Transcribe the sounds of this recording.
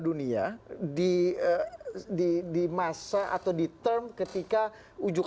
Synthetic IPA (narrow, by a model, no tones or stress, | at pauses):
duniadiədidimasaʔa̰t̪awdit̪ərmkət̪ika | ud͡ʒuk